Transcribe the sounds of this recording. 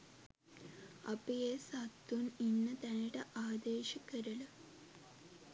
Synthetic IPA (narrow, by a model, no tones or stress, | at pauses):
ɐpijesat̪ːuninːɐt̪ɐniɽeʔaːd̪eːɕɐkːɐɾɐl